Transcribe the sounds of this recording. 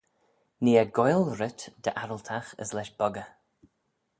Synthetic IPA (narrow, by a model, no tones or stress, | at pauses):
niːəɡɔjlˠɹɪt̪d̪̥əʔaɾəlt̪ʰaxə̰slɛʃb̥ɔɡə